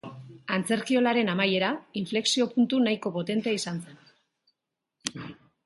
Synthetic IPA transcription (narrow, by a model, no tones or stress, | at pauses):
ant͡se̞ɾkio̞laɾe̞namaje̞ɾaiɱfle̞ksio̞punt̪unajiko̞po̞t̪e̞nt̪eaisanse̞n